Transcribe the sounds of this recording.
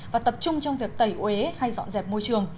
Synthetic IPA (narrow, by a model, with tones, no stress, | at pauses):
vaː˨˩t̪ə˨˩p̚t͡ɕʊ˧ŋ͡mt͡ɕɔ˧wŋ͡mvi˨˩ək̚t̪ə˨˩jʔwe˨˦ha˧jzɔ̰˧˨nzɛ˨˩p̚mo˧jt͡ɕɨ˨˩əŋ